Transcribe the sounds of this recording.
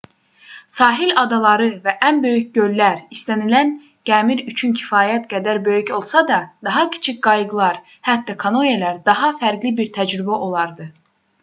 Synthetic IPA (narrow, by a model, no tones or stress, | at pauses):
sɑːɦilʲɑd̪ɑlˠɑɾɯvæʔænbø̞jycɟø̞lːæɾist̪ænilæn | ɡ̥æːmiɾyt͡ʃʰyncʰi̥fɑːjæt̪ɡæd̪æɾbø̞jyco̞lˠsɑd̪ɑd̪̥ɑɦɑcʰi̥t͡ʃʰicɡ̥ɑjɯɡlˠɑɾ | hæt̪ːɑkʰɑnojelæɾd̪ɑɦɑfæɾɡlibiɾt̪ʰæd͡ʒɾybæʔo̞lˠɑɾd̪ɯ